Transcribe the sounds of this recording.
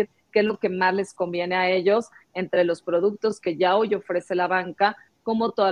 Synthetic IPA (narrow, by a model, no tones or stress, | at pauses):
ɾ | kezloke̞mazle̞sko̞mbje̞ne̞ae̞ʝo̞se̞nt̪ɾe̞lo̞spɾo̞ð̞uk̚t̪o̞ske̞ʝao̞jo̞fɾe̞se̞laβaŋka | ko̞mo̞t̪o̞ða